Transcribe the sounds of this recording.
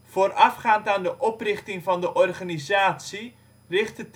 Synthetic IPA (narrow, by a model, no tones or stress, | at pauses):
v̥oːrɑfχaːntaːndəʔɔprɪχtɪŋvɑndəʔɔrχaːnizaːtsi | rɪχtət